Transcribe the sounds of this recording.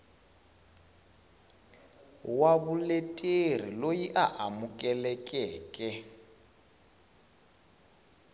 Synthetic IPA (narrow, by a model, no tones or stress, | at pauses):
waβuletʼer̤ilojiʔaʔamukʼɛlɛkʼɛːkʼɛ